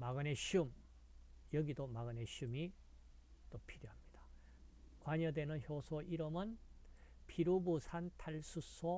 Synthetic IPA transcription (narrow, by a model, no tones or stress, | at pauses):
maɡɯneɕum | jʌɡidomaɡɯneɕumi | t͈opʰiɾjoɦamɲid̥ḁ | kwaɲʌdwe̞nɯnçjosʰoʔiɾɯmɯn | pʰiɾubusʰantʰaɭsʰusʰo